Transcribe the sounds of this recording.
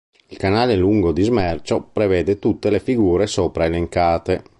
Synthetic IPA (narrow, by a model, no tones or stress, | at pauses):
ilkanaːleluŋɡod̪izmɛrt͡ʃopɾevɛːd̪et̪ut̪ːelefiɡuːɾesɔːpɾaeleŋkaːt̪e